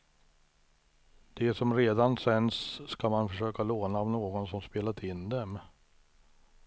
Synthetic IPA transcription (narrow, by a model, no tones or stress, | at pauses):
d̪̥ɛsɔmɾeːd̪ansɛnsːkamanfœʂøːkaloːnaːvnoːɡɔnsɔmspeːlat̪ʰɪnd̪ɛm